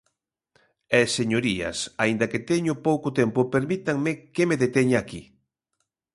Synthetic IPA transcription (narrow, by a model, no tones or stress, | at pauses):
ɛseɲoɾiɐ̰saind̪ɐket̪ɛɲʊpowkʊt̪ɛmpʊpeɾmit̪aŋmekemeðet̪eɲaki